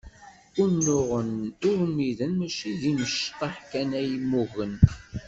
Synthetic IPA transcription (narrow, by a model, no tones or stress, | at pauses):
ʊnːʊʁənʊɾmiðənmæʃiðiməʃt̪ˤɑħkænæjmːʊɣən